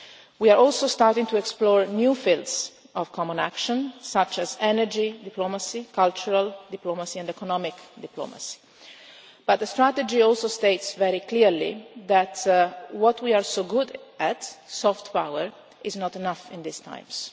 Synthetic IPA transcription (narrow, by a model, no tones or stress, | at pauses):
wiaɹɔlsost̪aɹt̪ĩŋt̪uɛksplɔːɹnjuːfilts | ɔv̥kʰɔmɔ̃næ̰kʃɔ̃nsat͡ʃɛzɛnəɹd͡ʒid̪iplomasikalt͡ʃuɹald̪iplomasiɛ̃nd̪ɛkɔnɔmɪkd̪ɪplo̰ma̰si̥ | b̥at̪̚d̪əst̪ɾat̪əd͡ʒiɔlsost̪eɪtsvɛɾikliɹlḭðæt̪wɔt̪ʰwiaɹsoɡʊd̪æt̪sɔft̪pawəɹ | ɪznɔt̪ɛnafɪ̃nd̪ɪst̪ʰã̰j̃ms